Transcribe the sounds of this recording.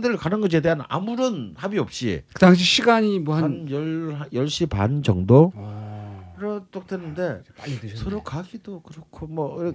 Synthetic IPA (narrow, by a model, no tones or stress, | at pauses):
dɯɾɯɭkanɯnɡʌd͡ʑ̬edeɦana̰muɾɯnhabiʌp̚ɕ͈ḭkɯdaŋɕ̬ʰiɕʰiɡaɲimwʌhaannjʌɭajʌɭɕ͈ipa̰nd͡ʑʌŋdo | iɾʌt͡ɕ͈ok̚twenːɯnde̞sʰʌɾokaɡidokɯɾʌkʰomʌ